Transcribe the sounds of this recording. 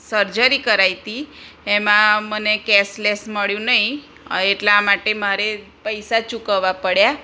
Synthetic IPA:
səɾd͡ʒəɾikəɾajt̪iemãmənekɛslesməɭjũnəɦĩ | eʈlamaʈemaɾe | pəjsat͡ʃukəʋapəɽja

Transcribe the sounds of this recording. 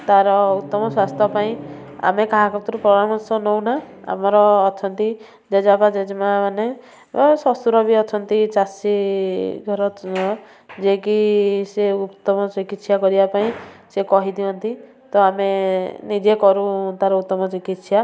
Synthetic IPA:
t̪aɾɔut̪ːɔmɔswast̪ʰɔpaĩa̰mekaɦakɔt̪ɔɾupɾɔɡɾamɔsɔnɔwna | a̰mɔɾɔːt͡ʃʰɔnt̪i | d͡ʒed͡ʒapad͡ʒed͡ʒmamane | sɔst̪uɾɔbiɔt͡ʃʰɔnt̪it͡ʃasiɡʱɔɾɔ | d͡ʒekiseut̪ːɔmɔsikit̪sjakɔɾibapaĩsekɔɦid̪iɔnt̪i | t̪ɔamenid͡ʒekɔɾũt̪aɾɔut̪ːɔmɔsikit̪sja

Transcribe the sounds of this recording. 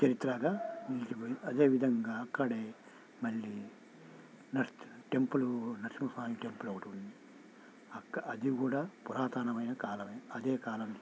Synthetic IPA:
t͡ʃɐɾit̪ːɾɐɡaːnilt͡ʃipojiɐd̪e̞ːʋid̪ʱɐŋɡaːɐkːɐɽeː | mɐɭːi | nɐʈe̞mpulunɐkʂimɐsaːmiʈe̞mpulɐwuʈund̪i | ɐkːɐd̪iɡuːɽaːpuɾaːt̪aːnɐmɐjnɐkaːlɐmeːɐd̪eːkaːlɐm

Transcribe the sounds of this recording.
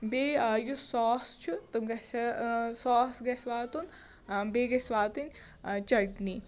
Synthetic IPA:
beːjusɔːst͡ʃʰut̪umɡɐsɐsɔːsɡɐsʋaːt̪un | beɡɐsʋaːt̪unʲ | t͡ʃɐɽni

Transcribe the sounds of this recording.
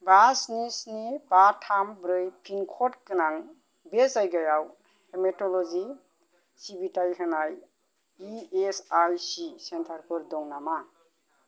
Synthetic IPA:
basnisnibatʰambɾɯjpʰinkʰɔtkɯnaŋ | besajɡajaw | hemetɔlɔzi | sibitajɦɯnaj | iesajsisentʰaɾpʰɔɾdɔŋnama

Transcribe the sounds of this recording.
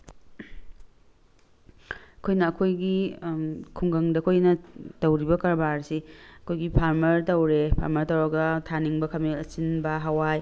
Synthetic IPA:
ɐkʰojnɐːkʰojɡi | kʰuŋɡɐŋdɐɐkʰojnɐtɐwɾibɐkɐɾbaɾsiɐkʰojɡipʰaɾmɐɾtɐwɾepʰa̰ɾmɐɾtɐwɾɐɡɐtʰaniŋbɐkʰɐmiɐt͡ʃinbɐɦawaj

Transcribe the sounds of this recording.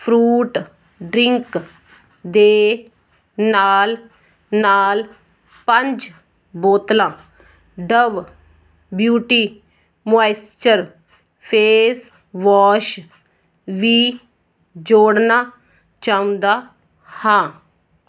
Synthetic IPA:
pʰɾuːʈ | ɖɾɪ̃ŋk | d̪eː | naːl | naːl | pəɲd͡ʒ | boːt̪lãː | ɖəʋ | bjuːʈiː | majst͡ʃəɾ | pʰeːs | ʋɔːʃ | ʋiː | d͡ʒoːɽnaː | t͡ʃaːũnd̪aː | hãː

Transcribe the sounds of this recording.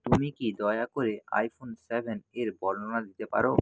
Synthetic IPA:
t̪umikid̪ɔeakoɾea̰jfʰonsebʱeneɾbɔlonad̪it̪epa̰ɾo

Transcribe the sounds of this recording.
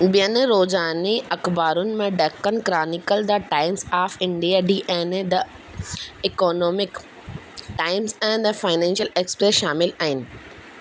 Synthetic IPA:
ɓijənɾoːzaːniʔɐxbaːɾʊnɪ̆mẽɖɐːkːənɪ̆kɾaːnɪkəld̪ɐʈaːɪmsaːfɪ̃ɳɖijaːɖiːʔɛ̃ːnd̪ɐ | ɪkoːnoːmɪk | ʈaːɪmsɛ̃ːnd̪ɐfaːɪnɛ̃ːnʃəleːkspɾesʃaːmɪlaːɦɪnɪ̆

